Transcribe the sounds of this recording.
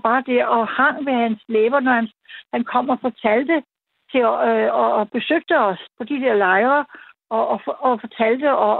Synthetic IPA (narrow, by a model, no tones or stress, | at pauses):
b̥ɑ̈ːd̥e̝ɐɒhɑ̈ŋ̰ʋehænsleːʋɐnɒhænshænkʰɒ̽m̰ɒfɒt͡sʰæl̰d̥ə | t͡sʰe̝ɒb̥e̝søɡ̥̚d̥əɒ̽spʰɒ̽d̥id̥eɐlɑ̈ɪʁɐ | ɒːɒfɒ̽t͡sʰæl̰d̥əɒ